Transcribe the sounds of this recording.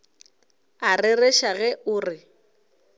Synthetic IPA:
arɪrɛʃaɣɛʔʊːrɪ

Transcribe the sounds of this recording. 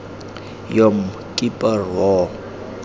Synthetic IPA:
jɔm̩ | kʼipʼarwɔ

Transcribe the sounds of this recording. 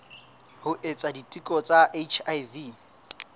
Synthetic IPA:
hʊʔet͡sʼaditʼikʼɔt͡sʼaʔet͡ʃʰajvi

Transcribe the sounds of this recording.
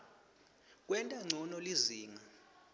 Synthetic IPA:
k̬ʼwɛntʼaŋ͡ǀʱɔnɔliziːŋa

